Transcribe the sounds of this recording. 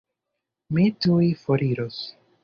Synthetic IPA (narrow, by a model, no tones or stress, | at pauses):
mitujfoɾiɾos